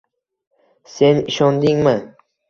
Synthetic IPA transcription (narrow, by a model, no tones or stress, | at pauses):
se̞nɪʃɒnd̪ɪŋmɪ